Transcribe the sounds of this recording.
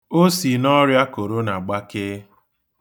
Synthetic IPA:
o˦si˨nɔ˦ɾja˦ko˨ɾo˦na˨ɡ͡ba˦keː˦

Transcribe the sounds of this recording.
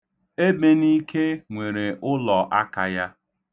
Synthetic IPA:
e˦be˨ni˦kʰe˦ŋʷe˨ɾe˨ʔʊ˦lɔ˨ʔa˦ka̰˨ja˦

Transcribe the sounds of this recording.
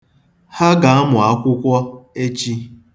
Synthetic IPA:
ha˦ɡa˨a˦mʊ˨a˦kʷʊ˦kʷɔ˦e˦t͡ʃi˦

